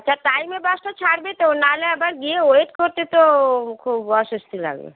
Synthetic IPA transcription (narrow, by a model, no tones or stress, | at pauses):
t͡ʃʰaʈajmebaʃʈat͡ɕʰaɽbet̪onaleabaɾɡieoeʈkoɾt̪et̪okʰubɔʃost̪ʰila̰ɡḛ